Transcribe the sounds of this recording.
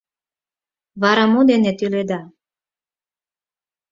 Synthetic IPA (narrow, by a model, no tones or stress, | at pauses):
βɑɾɑmod̪enet̪yled̪ɑ